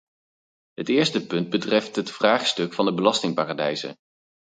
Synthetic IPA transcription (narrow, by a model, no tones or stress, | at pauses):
ɦətɪːɹstəpɵnd̚bətrɛftɦətfraːχstɵkfɑndəbəlɑstɪŋpaːradɛjzə̰